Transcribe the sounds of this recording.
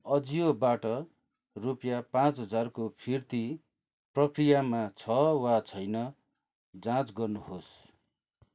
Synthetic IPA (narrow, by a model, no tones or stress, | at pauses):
ʌd͡zijobaʈʌ | rupjapãt͡sɦʌd͡zarkopʰirt̪i | prʌkrijamat͡sʰʌwat͡sʰʌjnʌ | d͡zãt͡sɡʌrnuɦos